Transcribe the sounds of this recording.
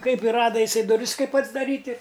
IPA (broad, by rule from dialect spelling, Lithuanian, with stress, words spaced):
ˈkɐɪp ɪ ˈrɑːdɐ ɪˈsɐɪ dʊˈrʲɪs ˈkɐɪp ɐdzdɐˈrʲiːtʲ ɪ